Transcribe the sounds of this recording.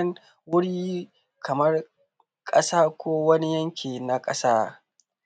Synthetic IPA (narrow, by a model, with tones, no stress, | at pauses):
ŋ | wʊ˦ɽiː˦ | kʰɐ˨mɐ˦r | kʼɐ˦saː˦kʷoː˦wɐ˦ni˦jɐ˦ŋkʲʰeː˨na˨kʼɐ˦saː˦